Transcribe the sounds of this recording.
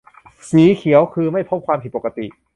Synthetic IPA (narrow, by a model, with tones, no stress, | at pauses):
siː˩˦kʰi˨˩˦əwkʰɯː˧ma˥˩jpʰo˦˥˩p̚kʰwaː˧p̪ʰi˨˩po˨˩ka˧t̪ḭ˨˩ʔ